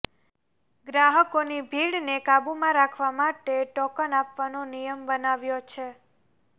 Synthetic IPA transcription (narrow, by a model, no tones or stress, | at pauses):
ɡɾaɦəkonibʱiɽnekabumãɾakʰʋamaʈeʈɔkənapʋanonijəmbənaʋjot͡ʃʰe